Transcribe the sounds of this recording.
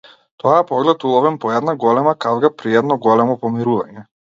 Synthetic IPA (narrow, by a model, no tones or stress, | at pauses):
t̪ɔaɛpɔɡlɛt̪ulˠɔvɛnpɔɛd̪naɡɔlɛmakavɡapɾiɛd̪nɔɡɔlɛmɔpɔmiɾuvaɲɛ